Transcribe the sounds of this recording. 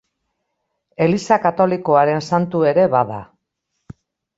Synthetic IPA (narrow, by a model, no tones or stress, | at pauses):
e̞lisakat̪o̞liko̞aɾe̞nsant̪ue̞ɾe̞βaða